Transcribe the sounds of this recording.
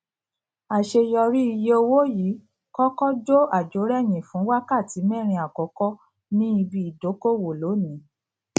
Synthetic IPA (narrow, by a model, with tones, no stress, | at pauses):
a˨ʃe˧jɔ˧ɾi˦i˧je˧o˧wo˦ji˨˦ | kɔ˦kɔ˦d͡ʒo˦a˨d͡ʒo˨˦ɾɛ˦˨j̃ĩ˨fũ˨˦wa˦ka˦˨ti˨˦mɛ̃˦˨ɾ̃ĩ˧a˨kɔ˨˦kɔ˦ | nĩ˦i˧bi˧˨i˨do˨˦ko˦˨wo˨lo˨˦nĩ˨˦